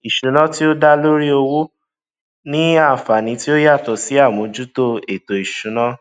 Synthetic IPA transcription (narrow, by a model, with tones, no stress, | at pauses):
i˨ʃũ˨˦nã˦ti˦o˦da˦lo˦ɾi˦o˧wo˦ | nĩ˦a˦˨fa˨nĩ˨˦ti˦o˦ja˦˨tɔ˨si˨˦a˦˨mũ˨˦d͡ʒu˦to˦e˨to˨i˨ʃũ˨˦nã˦